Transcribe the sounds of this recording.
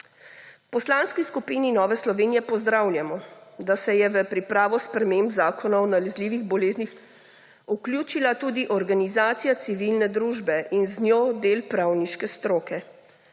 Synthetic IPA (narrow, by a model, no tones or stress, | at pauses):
pɔslaːnskiskupiːninɔːʋɛslɔʋeːnijɛpɔzd̪ɾaːwlʲjamɔd̪asɛjɛʋəpɾipɾaːʋɔspɾɛmembzaːkʰɔnaɔnalɛzliːʋiɣbɔleːznix | uklʲjuːt͡ʃilat̪uːd̪iʔɔɾɡanizaːt̪sijat̪siʋilnɛd̪ɾuːʒbɛʔinznjoːd̪eːlpɾawniʃkɛst̪ɾoːkɛ